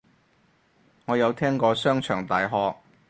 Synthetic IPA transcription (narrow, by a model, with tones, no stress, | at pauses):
ŋɔː˨˧jɐ˨˧wt̪ʰɛː˥ŋkɔː˧sœː˥ŋt͡ʃʰœː˨˩ŋt̪aː˨jɦɔː˧k̚